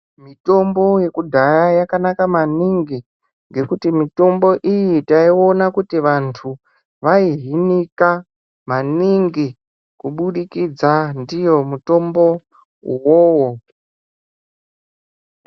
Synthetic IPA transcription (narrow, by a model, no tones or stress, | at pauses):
mito̞mbo̞je̞kudʱajajakanakamaniŋɡi | ŋɡe̞kutimito̞mbo̞ʔijitaio̞nakutiʋantʰu | ʋaiɦinika | maniŋɡi | kuɓuɗikid͡zandijo̞muto̞mbo̞ | uwoːwo